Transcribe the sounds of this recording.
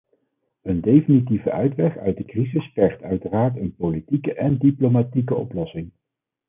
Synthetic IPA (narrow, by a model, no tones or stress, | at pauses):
əndejfinitivəʔœɥtʋɛχœ̰ɥt̚dəkrizɪspɛχtœɥtəraːɹtənpolitikəʔɛndiplomatik̬əɔ̰plɔsɪŋ